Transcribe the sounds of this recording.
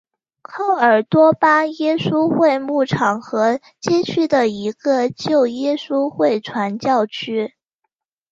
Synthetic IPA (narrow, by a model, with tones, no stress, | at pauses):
kʰɑ˥ʊə˞˨˩t̪wɔ˥pa˥jɛ˥ʂu˥xwe˥˧ɪmu˥˩ʈ͡ʂʰɑ˨˩ŋxɤ˧˥ | t͡ɕɛ˥˧t͡ɕʰy˥˩d̪ə˩i˧˥ɡə˧t͡ɕjo˥˩ʊjɛ˥ʂu˥xwe˥˩ɪʈ͡ʂʰwa˧˥nt͡ɕjɑ˥˩ʊt͡ɕʰy˥